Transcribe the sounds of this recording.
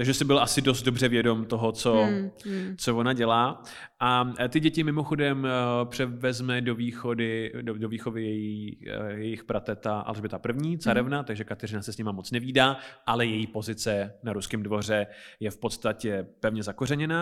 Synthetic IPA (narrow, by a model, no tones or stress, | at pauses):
t̪aɡʒɛsɪbɪlʔasɪdo̞s̬t̪̚do̞br̝ɛvjɛdo̞mt̪o̞ɦot͡so̞ | t͡sovonaɟɛlaː | ʔat̪ɪɟɛcɪmɪmoxo̞dɛmpr̥ɛvɛzmɛdo̞viːxo̞dɪdodoviːxo̞vɪjɛjijɛjɪxpɾat̪ɛt̪aʔa̰lʒbɪt̪apr̩vɲiːt͡saɾɛvnat̪aɡʒɛkat̪ɛr̝ɪnasɛsɲɛmamot͡snɛviːdaːʔalɛjɛjiːpo̞zɪt͡sɛnaɾuskɪmdvo̞r̝ɛjɛfpo̞t̪st̪acɛpɛvɲɛzako̞rɛɲɛna